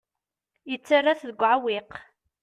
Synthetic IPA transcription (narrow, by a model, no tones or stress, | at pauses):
jət͡sːarːaθðəɡʷːʕawiq